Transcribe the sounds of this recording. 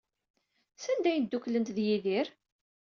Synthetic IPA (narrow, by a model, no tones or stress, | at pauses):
sænd̪æjənd̪ːuklənt̪ðjiðɪɾ